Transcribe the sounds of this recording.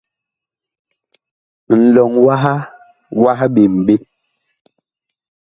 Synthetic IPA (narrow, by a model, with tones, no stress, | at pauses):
n̩˨lɔ˨ŋwa˦ɦa˦ | wa˦ɦa˦be˨m̩˨be˦